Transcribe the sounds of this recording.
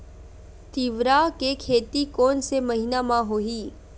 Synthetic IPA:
t̪iʋɾakekʰeːt̪ikɔːnsemɐɦɪnamãɦoiː

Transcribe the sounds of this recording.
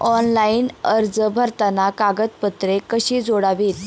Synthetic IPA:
ɔnlainəɾd͡zəbʱəɾt̪anakaɡət̪̚pət̪ɾekəɕiːd͡zoɽaʋiːt̪

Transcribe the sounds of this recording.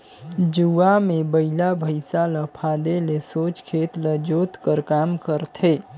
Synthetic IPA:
d͡ʒuamẽbəɪlabʱəɪsaləpʰaːd̪elesoːt͡ʃkʰeːt̪ləd͡ʒoːt̪kəɾkaːmkəɾt̪ʰe

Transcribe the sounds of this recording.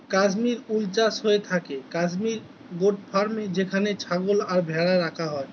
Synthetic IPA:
kad͡ʒmiɾult͡ʃasɦoet̪ʰakekad͡ʑmiɾ | ɡoʈ̚pʰaɾmed͡ʑekʰanet͡ʃʰaɡolaɾbʱɛɽaɾakʰaɦɔe

